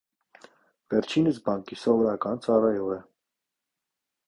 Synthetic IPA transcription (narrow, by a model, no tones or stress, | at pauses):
vɛɾt͡ʃʰinəsbɑŋkisɔvɔɾɑkɑnt͡sɑrɑjɔʁɛ